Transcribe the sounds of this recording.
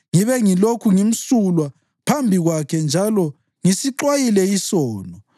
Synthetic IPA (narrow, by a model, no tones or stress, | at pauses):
ŋiβɛŋilokʰuŋim̩sulwa | pʰambʱiɣwakʰɛnd͡ʒʱalɔ | ŋisiǁwajilɛisɔːnɔ